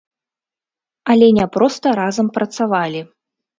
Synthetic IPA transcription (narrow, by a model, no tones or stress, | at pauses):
ɐlʲɛnʲɛpɾɔst̪ɐɾazɐmpɾɐt̪savalʲi